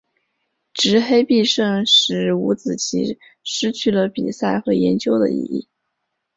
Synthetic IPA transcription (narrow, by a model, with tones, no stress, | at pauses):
ʈ͡ʂɻ̩˧˥xe˥ɪpi˥˧ʂɤ˥˩ŋʂɻ̩˧˥ṵ˧˥t͡sɹ̩˨˩t͡ɕʰḭ˧˥ | ʂɻ̩˥t͡ɕʰy˥˩lə˨pḭ˨˩sa˥˩ɪxɤ˧˥jɛ˧˥nt͡ɕjo˥ʊd̪ə̰˧ḭ˧ḭ˥˩